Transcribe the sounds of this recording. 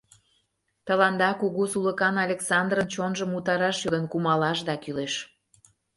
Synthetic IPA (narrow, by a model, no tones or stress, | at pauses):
t̪əlɑnd̪ɑkuɣusuləkɑnɑlʲeksɑnd̪rənt͡ɕonʒəmut̪ɑɾɑʃjod̪ənkumɑlɑʃ̬d̪ɑkyleʃ